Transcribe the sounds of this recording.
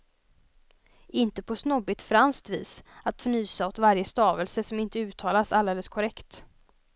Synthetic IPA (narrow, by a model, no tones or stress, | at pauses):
ɪnt̪əpʰɔsnɔbɪt̪fɾanst̪vḭːsat̪fnyːsaɔt̪vaɾjəst̪ɑːvəlsəsɔmɪnt̪əʉ̟ːt̪ʰɑːlasald̪eːləskʰɔɾɛkt̪